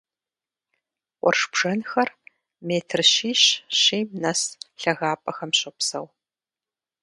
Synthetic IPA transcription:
ʔʷɔ̰rʂbʐ̥ɐnxɐr | meːtʰrɕiːɕɕiːmnɐsɬɐɣaːpʼɐxɐmɕɐpsɐw

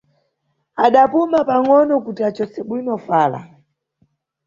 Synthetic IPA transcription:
aɗapumapaŋɔnɔkutiat͡ʃɔsɛɓwinɔfaːla̰

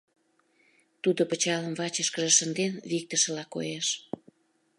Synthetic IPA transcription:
t̪ud̪opət͡ɕɑləmβɑt͡ɕəʃkə̆ʒə̆ʃənd̪enβik̚t̪əʃə̆lɑko̰jeʃ

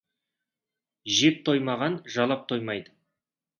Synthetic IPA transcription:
ʒep̚t̪ʰo̞jmɑʁɑnʒɑlˠɑp̚t̪ʰo̞jmɑjd̪ə

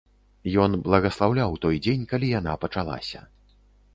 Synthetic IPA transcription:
jɔnblˠɐɣɐslˠawlʲawt̪ɔjd͡zʲenʲkalʲijanapɐt͡ʂalˠa̰sʲɐ̰

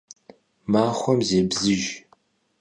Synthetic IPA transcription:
maːχʷɔmzeːbzɨʒ

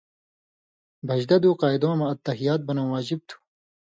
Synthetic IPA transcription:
bʱɐʑd̪ɐd̪uːqɑːid̪õːmɐɐt̪ːɐɦijaːt̪̚bɐnõːwaːd͡ʑib̚t̪ʰu̥

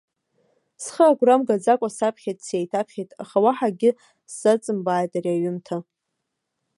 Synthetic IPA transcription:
sχəaɡʷramɡad͡zakʷʼasapʰχʲetʼsejtʰapʰχʲejtʼaχawaħaɡʲɪ | ssat͡sʼɨmbaːjtʼariaɥʏmtʰa

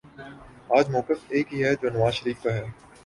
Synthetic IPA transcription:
aːd͡ʒmɔːkɪfeːkɦiɦɛd͡ʒoːnɐʋaːzʃəɾiːfk̪aɦɛː

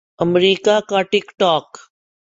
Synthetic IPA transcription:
əmɾiːkakaʈɪkʈɔːk

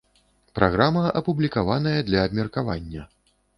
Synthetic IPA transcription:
pɾaɣɾamɐʔɐpublʲikavan̪ɐjɐd̪lʲɐːbmʲɛrkava̰nʲːɐ

